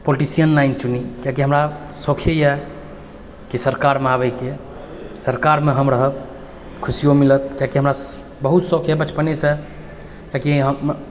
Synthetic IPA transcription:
poliʈisijənlaɪnt͡ʃunikjakiɦəmɾa | sokʰjəjɛ | kisəɾkaɾmeaβəke | səɾkaɾmeɦəmɾəɦəb | kʰusijomilət̪̚kjakiɦəmɾa | bəɦut̪sokʰjəbət͡ʃpənesẽ | kjakiɦə

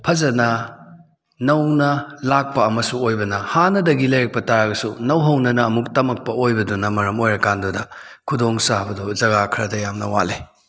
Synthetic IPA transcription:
pʰɐzɐnɐ | nɐwnɐlak̚pɐːmɐsuojbɐnɐhanɐdɐɡilɐjɾɐk̚pɐtaɾaɡɐsunɐwɦɐwnɐnɐːmuk̚tɐmɐk̚pɐojbɐdunɐmɐɾɐmojɾɐkandudɐ | kʰudoŋsabɐduzɐɡakʰɾɐdɐjamnɐwa̰le

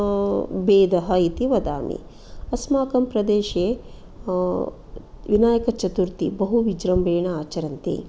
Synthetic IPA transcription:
beːd̪ɐɦɐit̪iʋɐd̪a̰ːmḭ | ɐsmaːkɐmpɾɐd̪eːʃeː | ʋinaːjɐkɐt͡ʃɐt̪uɾt̪ḭbɐɦuʋid͡ʒɾɐmbeːɳɐaːt͡ʃɐɾɐnt̪ḭ

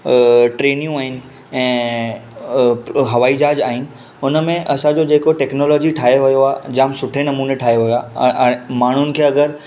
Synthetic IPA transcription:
ʈɾeːnijũaːɦɪnɪ̆ | ɛ̃ː | ɦɐʋaːid͡ʑaːd͡ʑaːɦɪnɪ̆ | ʊnəmẽʔɐsãd͡ʑod͡ʑeːkoʈɛːknoːlɔːd͡ʑiʈʰaːɦeʋɐjoaːd͡ʑãːmsʊʈʰenɐmuːneʈʰaːɦeʋɐjoaː | maːɳ̤ʊnɪ̆kʰeːɐɡəɾ

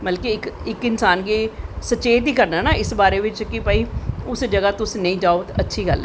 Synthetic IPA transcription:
bəlkeɪkɪkɪnsaːnɡeːsət͡ʃeːd̪iːkəɾnaːnaːɪsbaːɾeːʋɪt͡ʃkɪpəiːʊsd͡ʒəɡaːt̪ʊsnəĩːd͡ʒaːoːt̪ːətːʃʰiːɡəl

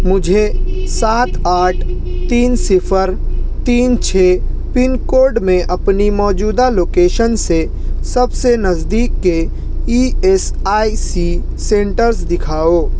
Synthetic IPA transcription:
mʊd͡ʒʱesaːt̪aːʈʰ | t̪iːnsɪpʰəɾt̪iːnt͡ʃʰeː | pɪnkoːɾɖmẽʔɐpnimɔːd͡ʒuːd̪aloːkeːʃənse | səbsenəzd̪iːkːe | ies | aːisi | sẽːɳʈəɾs̬d̪ɪkʰaːoː

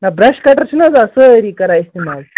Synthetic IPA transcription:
nabɾaɕkaʈəɾt͡ʃʰinad͡zəsəɾikɐɾaist̪imal

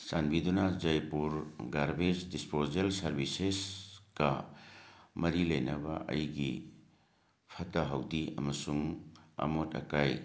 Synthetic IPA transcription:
sanbidunad͡ʒɐjpuɾɡaɾbesdispozelsɐɾbisesɡ̥ɐ | mɐɾilɐjnɐba̰ʔɐ̰jɡi | pʰɐtaɦɐwdiɐ̰mɐsuŋa̰motɐ̰kaj

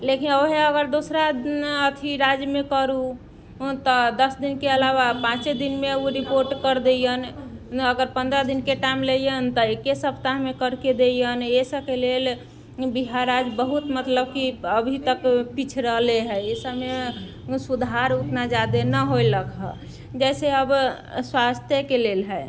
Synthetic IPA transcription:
lekinoɦeəɡəɾd̪osɾad̪ət̪ʰiɾad͡ʒmekəɾu | t̪ɔd̪əsd̪inkeəlaʋapãt͡ʃed̪inmeuɾipoɾʈkəɾd̪ejənəɡəɾpə̃nd̪ɾəd̪inkeʈaimlejənt̪ɔekesəpt̪aɦmekəɾked̪ejənesəkelel | biɦaɾad͡ʒbəɦut̪mət̪ləbkiəbʱit̪əkpit͡ʃʰɾəɦleɦɛesəme | sud̪ʱaɾut̪nad͡ʒad̪enəɦojləkɦə̰ | d͡ʒɛseəb | swast̪ʰjəkelelɦɛ

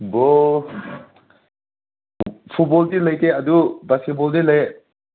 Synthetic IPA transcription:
bɔ | pʰut̚bɔltiləjkead̪ubasket̚bɔldiləj

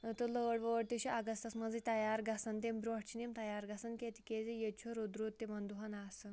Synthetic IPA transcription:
t̪ələʋəɽʋəʋəɽt̪eɕiʔaɡəst̪asməd͡zet̪ɐjaɾɡʱasənt̪embɾoʈt͡ɕinemt̪ɐjaɾɡʱasənkʲet̪i̥kʲed͡zejet͡ɕʰoɾod̪ɾot̪ːemand̪uɦanasən

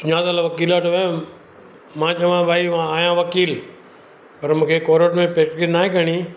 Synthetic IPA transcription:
sʊɲaːd̪alaʋɐkiːlaʈɐʋe | mãːt͡ʃʰɐʋãːbʱaːiʋãaːjãʋɐkiːl | pɐɾmũːkʰekoːɾəʈmẽpeːʈkinaːɦẽɡʱəɽ̃iː

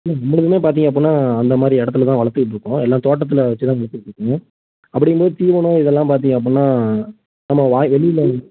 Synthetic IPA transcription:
ɪlːɛnɐmːɐɽɐðɯmeːpaːɾt̪iːŋɡɐp̬ːoːnːaːɐnd̪ɐmaːd̪ɾiɛɽɐt̪ːɐlɐt̪̬ãːʋɐɭɐɾt̪ːɯkɪʈ̬ːɾɯkːʊ̃ɛlːãːt̪oːʈːɐt̪ːɪlɐʋɐt͡ʃːɯt̪ãːʋɐɭɐɾt̪ːɯkɪʈːɾɯkːɯ̃ŋɡɐ̃ | ɐpːɐɽɪŋɡpoːðɯt̪iːʋɐnõːɪðɛlːãːpaːɾt̪̬iːŋɡɐp̬ːonːaː | nɐmːɐʋaːʋɛɭɪjɪlɐ

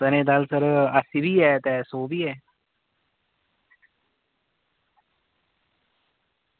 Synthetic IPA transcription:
t̪ənẽːd̪alsəɾasibʱiːɛːt̪ɛːsoːbiːɛː

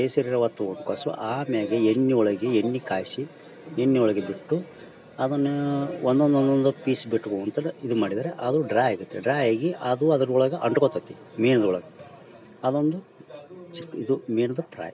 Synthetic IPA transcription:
eːsɐɾiɾɐʋɐt̪ːuoɳɖukɐːsṵʔaːmeːɡeenːiɔɭɐɡeenːikaːjsi | enːiɔɭɐɡebiʈːu | ɐd̪ɐnːeond̪ond̪ond̪ond̪upiːsbiʈːuɡount̪ɐid̪umaːɽid̪aːɾeʔɐd̪uɖɾaːjeːɡut̪ːeɖɾaːjeːɡiʔɐd̪uɐd̪ɐɾuuɭɐɡɐʔɐɳɖukot̪ːɐt̪ːi | miːnɐd̪ɐɔɭɐɡɐ | ɐd̪ond̪u | t͡ʃikːid̪umiːnɐd̪ɐpɾa̰ːj

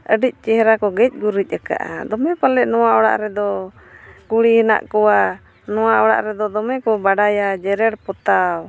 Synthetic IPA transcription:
ʔəɖic̚ˀt͡ʃɛɦɛɾakɔɡɛc̚ˀbuɾic̚ˀaka̰ʔa̰d̪ɔmɛpalɛʔnɔwaʔɔɽa̰ʔɾɛd̪ɔ | kuɽihina̰ʔkɔwa | nɔwaʔɔɽa̰ʔɾɛd̪ɔd̪ɔmɛkɔbaɖajad͡ʒɛɾɛɽpɔt̪aw

